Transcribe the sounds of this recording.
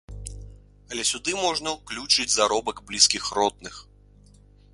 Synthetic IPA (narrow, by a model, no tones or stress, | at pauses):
ɐlʲɛsʲud̪ɨmɔʐnɐwklʲut͡ʂɨd͡zʲzaɾɔbɐɡblʲiskʲixrɔd̪̚nɨx